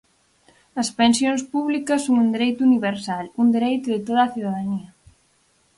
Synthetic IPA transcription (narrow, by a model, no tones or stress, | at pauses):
ɐspensjoŋspuβlikɐsoŋund̪eɾejt̪uniβeɾsalund̪eɾejt̪ʊðet̪oðaθuðaðaniɐ